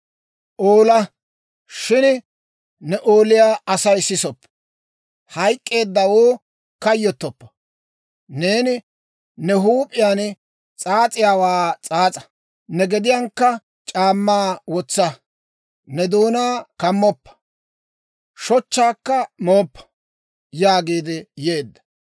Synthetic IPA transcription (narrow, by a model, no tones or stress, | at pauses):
ʔoːlɐ | ʃɪn | nɛʔoːlɪjaːɐsɐjsɪsɔpː | hɐjkʼːe̞ːd̪ːɐwoː | kɐjːɔt̪ːɔpːɐ̥ | ne̞ːnɪ | nɛɦuːpʼɪjaːn | t͡sʼaːt͡sʼɪjaːwaːt͡sʼaːt͡sʼɐ̥ | nɛɡɛd̪ɪjaːŋkːɐ | t͡ʃʼaːmːaːwɔt͡sːɐ | nɛd̪uːnaːkɐmːɔpːɐ̥ | ʃɔt͡ʃːaːkːɐmoːpːɐ̥ | jaːɡiːd̪ɪjeːd̪ːɐ̥